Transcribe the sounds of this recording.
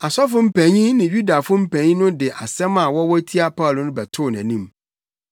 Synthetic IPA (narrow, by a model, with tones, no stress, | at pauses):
a˨sɔ˦fʊ˦m̩˦pʰæ̃˨ɲĩ˦nɪ̃˨ɥu˦da˨fʊ˦m̩˦pʰæ̃˨ɲĩ˦nʊ̃˦dɪ˨ʔa˨sɛ̃˦ma˨wɔ˦wɔ˦tʰi˦a˦pʰa˦ʊ˨lʊ˨nʊ̃˦bɛ˨tʰʊ˦˨næ̃˨nĩ˦m